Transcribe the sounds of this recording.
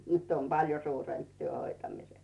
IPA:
nyt om pɑljo suːremp tyø hoitɑmises

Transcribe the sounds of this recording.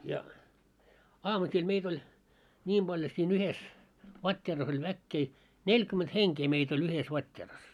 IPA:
jɑ ɑːmusil meit olʲ nʲiːm b̥ɑlʲjo siːn yhes ʋɑtʲːeːrɑs olʲ ʋækːeː nelʲkyment heŋkeː meit olʲ yhes ʋɑtʲːeːrɑs

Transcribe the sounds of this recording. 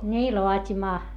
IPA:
nʲiː loɑtʲimɑː

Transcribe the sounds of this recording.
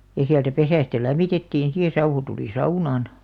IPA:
jɑ siæltæ pesæˑstæ læmˑitetːiːn si jɑ sɑuhu tuli sɑunɑˑn

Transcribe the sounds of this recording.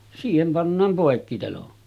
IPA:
siːhem pɑnːɑːm poˑekːitelon

